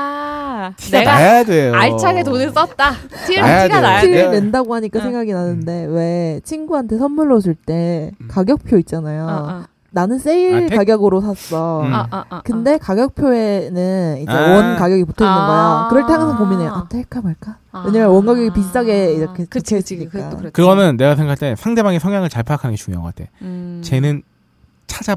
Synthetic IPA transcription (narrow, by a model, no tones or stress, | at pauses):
a | iaeɡaaajadwejoaɭt͡ɕʰaɡetonɯs͈ʌt̚t͈a | iɡaiɾne̞ndaɡoɦaɲik͈asʰeŋɡaɡinanɯnde̞we̞t͡ɕʰinɡuɦantʰe̞sʰʌnmuɭːos̬ʰɯɭt͈e̞kaɡjʌk̚pʰjoit̚t͡ɕ͈anajo | nanɯns͈eiɭkaɡjʌɡɯɾosʰas͈ʌ | kɯnde̞kaɡjʌk̚pʰjoe̞nɯnid͡ʑe̞wʌnnkaɡjʌɡiputʰʌnɯɡajakɯɾʌɭtʰeaŋɯsʰʌnpominejoʔat͈ʰek͈amaɭk͈a | we̞ɲamjʌnwʌnɡaɡjʌɡipis̬ʰid͡ʑ͈aɡeiɾʌkʰekit͡ɕʰes͈ɲia̰kɯɡʌnɯnːe̞ɡas̬ʰeŋɡakʰaɭt͈esʰaŋde̞maɡesʰʌŋjaŋɯɭt͡ɕaɭpʰjaakʰanɯnɡet͡ɕuŋjo̰kʌk͈atʰe̞̰t͡ɕe̞nɯn | t͡ɕʰad͡ʑa